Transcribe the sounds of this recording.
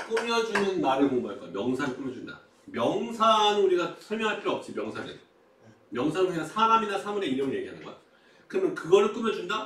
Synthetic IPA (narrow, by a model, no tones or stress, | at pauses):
k͈umjʌd͡ʑunɯnːaɾɯɭmombaɭk͈ajomjʌŋsʰanɯɭk͈umjʌd͡ʑunda̰ | mjʌŋsʰanuɾiɡasʰʌɭmjʌŋɦaɭk͈iɾʌp̚t͡ɕ͈imjʌŋsʰanɯ̰n | mjʌŋsʰanɯiasʰaɾaminasʰamuɾe̞iɾʌmje̞ɡiɦa̰nɯnɡʌ̰ja̰ | kɯɾʌmjʌnkɯɡʌɾɯɭk͈umjʌd͡ʑunda